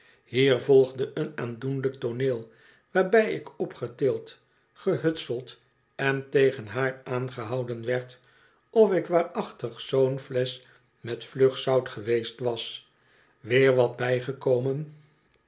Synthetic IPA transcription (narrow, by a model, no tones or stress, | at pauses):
hiːɹvɔlˠχdəʔənaːndunlək̚toneːlˠ | ʋaːɹbɛjɪkɔpχətɪːlˠt | χəɦɵtsəlˠt | ɛntejχənɦaːɹaːnχəɦɑwdənʋɛɹt | ɔfɪkʋaːɹɑχtəχsownflɛs | mɛtfløχsɑwtχəʋejstʋɑs | ʋɪːɹʋɑd̚bɛjχəkowmən